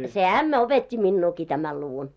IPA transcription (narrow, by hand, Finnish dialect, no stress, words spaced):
se æmːæ opetʲːi minːuːki tæmæl luʋun